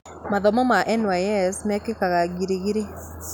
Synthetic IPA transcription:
maðɔmɔmaʔɛnwajɛsmɛkekaɣaɡiɾeɣiɾe

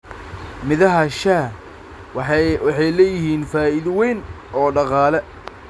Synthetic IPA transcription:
mɪðɐɦɐʃaː | wɑħɑjlɛːjɪɦiːnfaːɪðwɛjn | ɔːɖɑqɑːlɛ

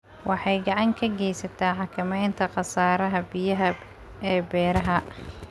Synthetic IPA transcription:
wʔɑħɑjɡɑʕɑŋkʰɐɡɛjsɐt̪ʰaːħɑkʰɪmɛjnt̪ʰɐqɑsaːɾɐɦɐbijɐɦɐ | ɛːbɛːɾɐɦɐ

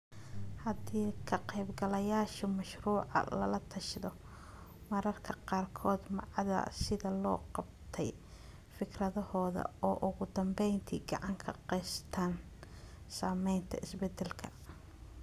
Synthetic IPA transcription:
hɐd̪iːkʰɐqɛjbɡɐlɐjaːʃɐmɐʃruːʕɑ̰lɐ̰lɐt̪ʰɐʃðɔ | mɐɾɐrkʰɐqɑːrkʰɔːd̪mɑʕðɐ̰sɪðɐlɔːqɑbt̪ʰɛj | fɪkrɐðɔhɔːðɐ̰ɔːʔʊɣʊd̪ɐmbɛjnt̪ʰḭːɡɑʕɑŋkʰɐqɛjst̪ʰaːn | saːmɛjnt̪ʰɐʔɪsbɛd̪ɛlkʰɐ̥

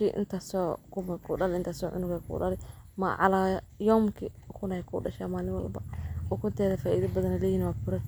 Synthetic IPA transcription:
iʔɪ̰nt̪ʰasɔːkʰʊmkʰuɗɐlɪnt̪ʰaːsɔːʕʊ̰nʊɣɛjkʰṵːɗɐ̰lɪ | mɐʕɑ̰laːjɔmkʰɪkʰʊnɐkʰṵːɖɐʃaːmaːlɪwɐ̰lbɐ̰ɔkʰʊnt̪ʰɛːðɐfaːʔḭːðɐbɐðɐnɛlɛːjiːnwaːfʊɾɐ

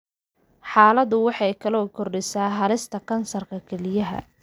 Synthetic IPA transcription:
ħɑːlɐðʊwɑħɑjkʰɐlɔːkʰɔrɖɪsaːɦɐlɪst̪ʰɐkʰɐnsɐrkʰɐkʰɛlɪjɐɦɐ̰

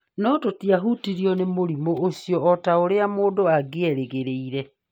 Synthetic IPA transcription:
nɔtotiaɦutiɾiɔnemoɾimoosiɔɔtaoɾeamoːdoaɡeɛɾeɣeɾeiɾɛ

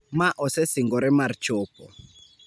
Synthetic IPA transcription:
maʔɔsɛsiŋɡɔɾɛmart͡ʃopɔ̰

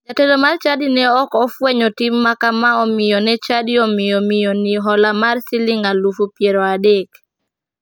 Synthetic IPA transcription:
d͡ʒatelomart͡ʃadinɛɔkɔfwɛɲɔtɪmːakamaɔmɪjɔnɛt͡ʃadɪɔmɪjɔmɪjɔnɪɦɔlamarsɪlɪŋalufupjeɾɔadek

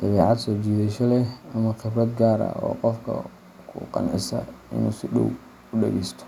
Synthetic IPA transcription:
d̪̥ɐβɛːʕɑd̪sɔːt͡ʃiːðɛʃɐlɛɐmɐχɪbɾɐd̪ɡaːɾɐ̰ɔ̰ːqɔfkʰɐ̰ | kʰʊqɑ̰nʕɪsɐ̰ɪ̰nṵːsɪɗɔ̰w | ʊɗɛɣɛjst̪ʰɔ̥

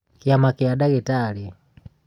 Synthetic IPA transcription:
kiamakiadaɡɛtali

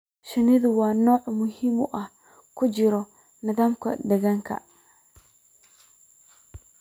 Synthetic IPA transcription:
ʃɪnɪðʊwɑːnɔːʕmʊhimʊʔɐh | kʰʊt͡ʃɪɾɔ | nɪðaːmkʰɐ̰d̪ɛɣɐŋkʰɐ̰

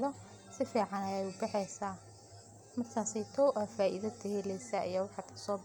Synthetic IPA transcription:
ðɔ | sɪfiːʕɑnɐjɛjʊbɑħɛjsaː | mɐrkʰaːsɛjt̪ʰɔwʔɐfaːʔḭðɐd̪ɛhɛlɛsɐʔɐ̰jaːwɑħɑkʰɐ̥sɔːb

